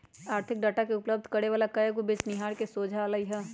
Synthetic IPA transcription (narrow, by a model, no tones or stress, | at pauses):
aːɾt̪ʰɪk̚ɖaːʈakeʊpləb̚d̪ʱkɐɾeʋaːlakɐjəkobɪt͡ʃnɪɦaːɾkesoːd͡ʒʱaːlaiɦɛː